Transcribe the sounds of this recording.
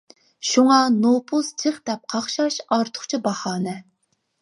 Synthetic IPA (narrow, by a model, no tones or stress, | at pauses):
ʃuŋɑnopʰʊz̥t͡ʃʰɨχd̪ɛp̚qʰɑχʃɑʃɑɾt̪ʰʊ̥χt͡ʃʰibɑhɑːnɨ